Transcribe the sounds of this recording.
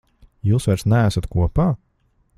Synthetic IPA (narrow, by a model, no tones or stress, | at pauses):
juːsvaɾsnææsat̪kuɔpaː